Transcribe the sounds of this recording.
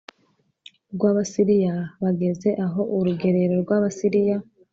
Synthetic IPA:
ɾɡwaːβasiɾijaβaɡe̞ze̞ʔaɦo̞ʔuɾuɡe̞ɾeɾo̞ɾɡwaːβasiɾija

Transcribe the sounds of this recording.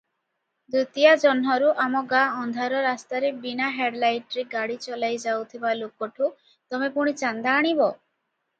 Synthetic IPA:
d̪ut̪ijad͡ʒɔnɦɔɾuʔamɔɡaɔnd̪ʱaɾɔɾast̪aɾebinaɦeɖlajʈɔɾeɡaɽit͡ʃɔlajd͡ʒawt̪ʰibalokɔʈʰu | t̪ɔmepuɽ̃it͡ʃand̪aːɽ̃ibɔ

